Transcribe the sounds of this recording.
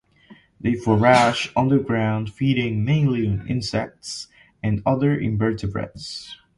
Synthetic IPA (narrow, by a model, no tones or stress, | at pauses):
ðeɪfəɹæʃʌ̃ndə˞ɡɹãʊ̃nd̥fiɾɪ̃ŋmẽɪ̃nlĩnɪ̰̃nsɛk̚ts | ɨ̃ndʌðə˞ʔɪ̰̃mbɜ˞tɨbɹɛ̰ts